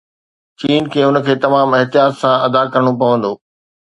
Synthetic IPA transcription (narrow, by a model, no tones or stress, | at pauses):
t͡ɕiːnkʰeːʊnəkʰeːt̪ɐmaːmɪɦt̪ijaːt̪sãɐd̪akɐɾəɽ̃opɐʋə̃nd̪oː